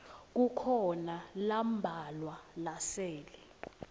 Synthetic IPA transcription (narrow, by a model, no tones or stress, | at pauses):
k̬ukʰɔnalambʱalwalasɛːli